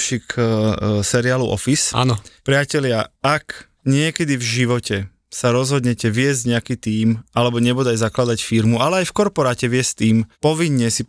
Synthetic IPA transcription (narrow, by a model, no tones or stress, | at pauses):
ʃik | sɛɾiaːluʔɔ̰fisa̰ːnɔpɾɪacɛlɪaak | ɲɪɛkɛd̪ivʒiʋɔcɛ | saɾɔzɦɔd̪ɲɛcɛʋɪɛzɟɲɛakit̪iːmalɛbɔɲɛbud̪aɟzaklad̪acfiɾmualɛajfkɔɾpɔɾaːcɛʋɪɛsct̪iːmpɔʋiɲːɛsi